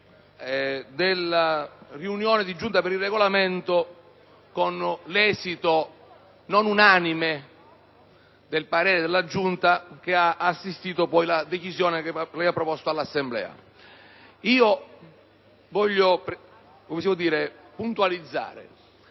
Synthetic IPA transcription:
d̪elːariunjɔːnɪd̪id͡ʒunt̪apeɾilrːɛɡolament̪o | konlɛːzit̪o | nonunaːnime | d̪elpaɾɛːɾed̪elːad͡ʒunt̪ak̟eaːsːist̪iːt̪opɔjlad̪et͡ʃisjɔːneklɛjapːɾɔpɔst̪oalːasːemblɛ̰ːa̰ | iːo | vɔʎːop | komesimod̪iːɾe | punt̪ualid̪zːa̰ːɾḛ

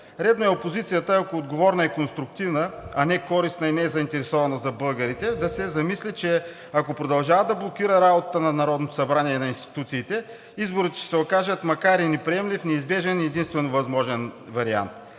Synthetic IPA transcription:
ɾɛd̪noɛopozit̪sijət̪əɐkoːd̪ɡovɔɾnəɛkonst̪ɾʊk̚t̪ivnəɐnɛkɔɾisnɐinɛɛzɐint̪ɛɾɛsɔvɐnəzɐbɤlˠɡəɾit̪ɛd̪ɐsɛzɐmislit͡ʃɛ | ɐkopɾod̪ɐlˠʒavəd̪ɐblˠokiɾəɾabot̪ət̪ənɐnɐɾɔd̪not̪o̥sɐbɾaniɛnɐinst̪i̥t̪ut̪siːt̪ɛ | izboɾit̪t͡ʃɛ̥sɛokaʒət̪mɐkaɾinɛpɾiɛmlifnɛizbɛʒɛnɛd̪inst̪vɛnovɐzmɔʒɛnvɐɾia̰nt̪

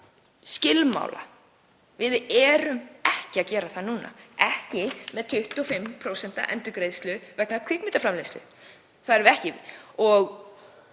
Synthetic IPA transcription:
scɪlma̰ːwla̰ | vɪðɛːɾʏmɛhcɪacɛːɾaθaðnuːna̰ɛhcɪmɛðt̪ʰʏht̪ɔfɪmːpʰɾowsɛn̥t̪a̰ʔɛnt̪ʏɾkɾejðst̪lʏvɛknakʰikmɪt̪afɾamlejst̪lʏ̰ | θaðɛɾvɪɛhcɪɔɣ

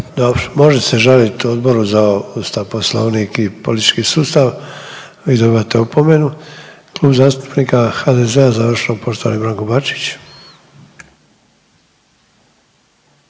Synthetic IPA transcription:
d̪obmo̞ʒese̞ʒalit̪od̪bo̞ɾuzaust̪aʋposlˠo̰ʋnikipolit̪i̥t͡ʃkisuːst̪aʋ | id̪oβat̪eupo̞me̞nuklˠuːbzaːst̪u̥pnikaxad̪ezeazaʋr̩ʃenopo̞ʃt̪oa̰nibɾaːŋkobat͡ʃi̥t͡ɕ

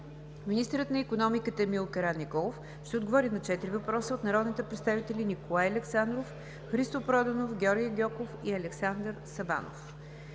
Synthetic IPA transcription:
minist̪əɾət̪nɐikonɔmikət̪əmilˠkɐɾanːikɔlˠof | ʃt̪ɛod̪ɡovɔɾinɐt͡ʃɛt̪iɾivɐpɾɔsəot̪nɐɾɔd̪nit̪ɛpɾɛt̪st̪avit̪ɛlinikolˠajɐlɛksand̪ɾof | xɾist̪opɾɔd̪ɐnofɡʲɔɾɡʲiəɡʲɔkofiɐlɛksand̪ɾsɐba̰no̰f

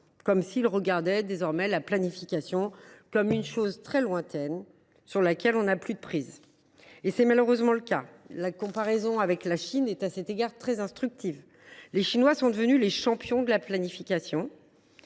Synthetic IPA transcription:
kɔmsilʁəɡaʁd̪ɛd̪ezɔʁmɛlaplanifikʲasjɔ̃kɔmynʃozt̪χɛlwɛ̃t̪ɛn | syʁlakʲɛlɔ̃naplyd̪əpχiz | esɛmaløʁøzmɑ̃ləkalakɔ̃paʁɛzɔ̃avɛklaʃinɛt̪asɛt̪eɡaʁt̪χɛzɛ̃st̪χyk̚t̪ʰiv | leʃinwasɔ̃d̪əvənyleʃɑ̃pjɔ̃d̪əlaplanifikʲasjɔ̃

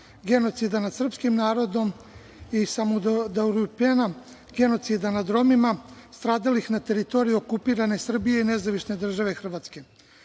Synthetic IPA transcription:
ɡe̞no̞t̪sid̪anad̪sr̩pskimnaːɾo̞d̪o̞m | isamud̪auɾupena | ɡe̞no̞t̪sid̪anad̪ɾo̞mimast̪ɾaːd̪alixnat̪e̞ɾit̪o̞ːɾijuokupiːɾane̞sr̩bije̞ine̞zaʋiʃne̞d̪r̩ʒaʋe̞xr̩ʋaːt̪ske̞

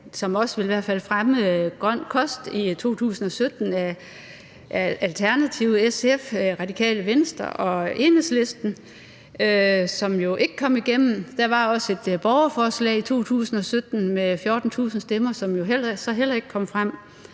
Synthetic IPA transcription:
sɒ̽mɒ̽sʋe̝liʋæɐ̥fæl̰fʁaməɡ̥ʁɶn̰kʰɒ̽sd̥it͡sʰo̝̰ːt͡sʰṵːsn̩ɒ̽sød̥n̩æ | ælt͡sʰæɐnæt͡sʰiʊəesefʁɑ̈d̥ikʰɛ̰ːləʋensd̥ɐ̰ʔɒ̽e̝nəsle̝sd̥n̩ | sɒ̽mjo̝ʔe̝ɡ̥ə̥kʰɒ̽m̰iɡ̥em̰n̩d̥æʋɑ̈ɒ̽se̝d̥b̥ɒʊɐfɒːslɛ̰ɪit͡sʰo̝̰ːt͡sʰṵːsn̩ɒ̽sød̥n̩mefjo̝ːd̥n̩t͡sʰṵːsn̩sd̥emɐsɒ̽mjo̝ɦel̰ɐsɒ̽ɦel̰ɐe̝ɡ̥ə̥kʰɒ̽m̰fʁam̰

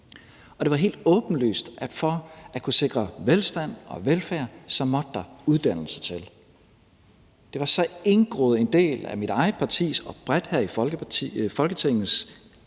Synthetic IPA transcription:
ʔɒ̽d̥e̝ʋɑ̈ɦe̝̰ːld̥ɔ̽ːb̥n̩ly̰ːsd̥ʔæ̥fɒækʰuse̝ɡ̥ʁɐʋelsd̥æn̰ɒ̽ʋelfæɐ̰sɒ̽mɒ̽d̥̚ːɑ̈uðˠd̥æn̰l̩sə̥t͡sʰe̝l | d̥e̝ʋɑ̈sɒ̽e̝nɡ̥ʁɔ̰ːð̩ˠe̝nd̥e̝̰ːlæ̰miɾ̥ɑ̈ɪð̩ˠpʰɑ̈t͡sʰḭːsɒ̽b̥ʁad̥hæɐ̰i̥ | fɒ̽lɡ̥ət͡sʰeŋ̰n̩s

